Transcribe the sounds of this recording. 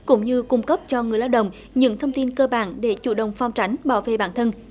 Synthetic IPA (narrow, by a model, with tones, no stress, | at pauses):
kʊ̰˧˥ŋ͡mɲɨ˧kʊ˧ŋ͡mkə˦˥p̚t͡ɕɔ˧ŋɨ˨˩əjlaː˧˩wɗə̰˧˨wŋ͡m | ɲɨ̰˧˥ŋt̪ʰə˧wŋ͡mt̪i˧nkəː˧ɓaː˧˩nɗe˧˩t͡ɕṵ˧˩ɗə̰˨wŋ͡mfa˧wŋ͡mt͡ɕa˨˦jŋ̟ɓaː˧˩wvḛ˧˨ɓaː˧˩nt̪ʰə˧n